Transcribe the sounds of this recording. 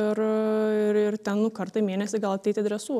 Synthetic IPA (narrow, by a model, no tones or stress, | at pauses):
ɪɾɪɾɪrt̪ʲɛnnʊkɐɾt̪ɐɪmʲeːnʲɛsʲɪɡɐlˠɐt̪ʲɛɪt̪ʲɪɐd̪ɾʲɛsuɔ